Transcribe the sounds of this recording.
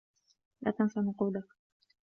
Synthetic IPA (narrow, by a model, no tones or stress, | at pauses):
lʔa̰t̪ansanquːlak